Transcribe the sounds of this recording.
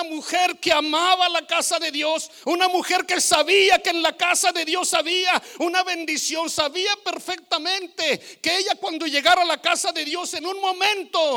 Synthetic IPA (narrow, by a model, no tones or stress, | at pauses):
muxe̞ɾke̞amaβalakasaðe̞ðjo̞s | unamuxe̞ɾke̞saβiakeːnlakasaðe̞ðjo̞saβiaunaβe̞nd̪isjo̞nsaβiape̞ɾfe̞k̚t̪amẽ̞nt̪e̞keeʝakwand̪o̞ʝe̞ɣaɾalakasaðe̞ðjo̞se̞nunmõ̞mẽ̞nt̪o̞